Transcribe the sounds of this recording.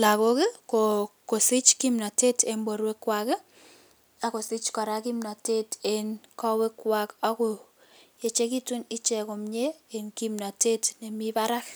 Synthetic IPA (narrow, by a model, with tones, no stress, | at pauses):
la˨ko˦ke˦koko˨sɪ˦t͡ʃki˦mna˨te˦tʰe˨mbo˨ɾwe˦kwake˦ | a˨ko˨sɪ˦t͡ʃkɔ˨ɾa˦ki˦mna˨te˦tenkɔ˦we˦kwaka˦ko˨ | je˨t͡ʃe˦ki˦tu˦ni˦t͡ʃɛ˨ko˨mɲe˦e˨nkimna˨te˦tne˨mi˦pa˦ɾa˦k